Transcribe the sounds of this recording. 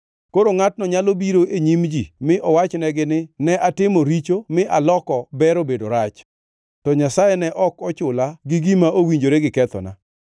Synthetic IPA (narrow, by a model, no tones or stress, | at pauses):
koɾoŋat̚nɔɲalobiɾoʔeɲimd͡ʒimɪʔɔwat͡ʃnɛɡɪnɪnɛʔatɪmoɾit͡ʃomɪʔalɔkɔbɛɾobedoɾat͡ʃ | tɔɲasajɛnɛʔɔkɔt͡ʃʊlaɡɪɡimaʔowiɲd͡ʒoɾeɡɪkɛt̪ɔ̰na̰